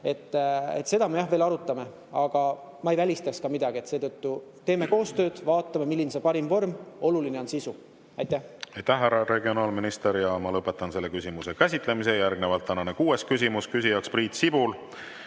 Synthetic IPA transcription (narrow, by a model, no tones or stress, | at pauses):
e̞t̪ːˑḛt̪ːse̞d̪̥ɑmejɑhve̞ːlɑɾut̪ːˑɑme̞ | ɑɡ̥ɑ | mɑejvælʲist̪ɑkskɑmid̪ɑɡ̥ie̞t̪se̞ːt̪ɤt̪ːut̪e̞ːme̞ko̞ːst̪ø̞ːd̪̥vɑːt̪ˑːɑmemilːinsepɑɾimvo̞rmo̞luline̞o̞nsisu | ɑjt̪ˑːæhɑjt̪ːæhːæɾɑɾe̞ɡio̞nɑːlminist̪eɾjɑmɑlɤpːˑe̞t̪ːˑɑnse̞lːe̞kysʲimuse̞kæsʲit̪le̞mis̬e̞jærɡne̞vɑlt̪ːænɑnekuːe̞skys̬ʲimuskysʲijɑkspriːt̪sibul